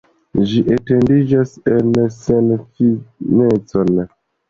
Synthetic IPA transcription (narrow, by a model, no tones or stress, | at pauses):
d͡ʒiʔete̞ndid͡ʒase̞nsenfinet͡so̞n